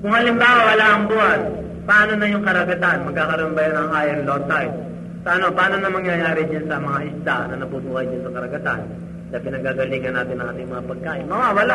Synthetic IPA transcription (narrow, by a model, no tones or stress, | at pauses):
kʊŋhɐlɪmbaːwɐwɐlaʔɐŋbuan | pɐʔaːno̞nɐjʊŋkɐɾɐɡɐt̪anmɐɡ̚kaːkɐɾɐmbɐjanɐŋʔaːjɐnlot̪aj | sɐʔɐno̞pɐʔaːnonɐmɐŋjɐjaːɾɪd͡ʒansɐmɐŋaʔɪst̪anɐnɐbuːbuːhɐjd͡ʒansɐkɐɾɐɡɐt̪a̰n | d̪ɐpɪnɐɡaɡɐliːɡɐnaːt̪ɪnɐ̃ŋʔa̰ːt̪ɪŋmɐŋapɐɡ̚kaːʔɪmɐwawɐla